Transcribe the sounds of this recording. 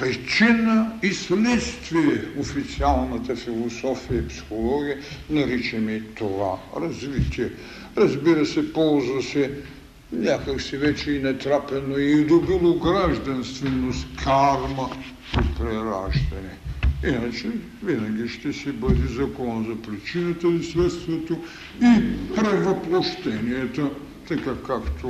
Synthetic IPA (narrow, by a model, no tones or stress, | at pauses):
pɛt͡ʃinɐislɛt̪st̪vieofit̪sialˠnɐt̪ɐfilˠosɔfiɐipsi̥xolˠɔɡiənɐɾit͡ʃɛmit̪ovaɾɐzvit̪iɛ | ɾɐzbiɾɐsɛpɔlzɐsɛ | ɲʲakɐksivɛt͡ʃeinɛt̪ɾapɛnoid̪obilˠoɡɾaʒd̪ɐnst̪vɛnoskʰaɾmɐ | ipɾɛɾaʒd̪ɛniinat͡ʃɛ | vinɐɡiʃt̪ɛsibəd̪izɐkɔzɐpɾit͡ʃinɐt̪ɐd̪isvɛst̪vɐt̪o | ipɾɛvɐplˠoʃt̪ɛniɛt̪ɐ | t̪ɐkakakt̪ʊ